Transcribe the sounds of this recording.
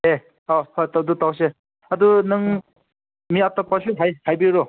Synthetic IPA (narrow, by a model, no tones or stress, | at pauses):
e | ɔhɔtad̪ut̪aws̬e | ad̪unɯŋ | miat̪ɔpɔseɦajhajbiɾɔ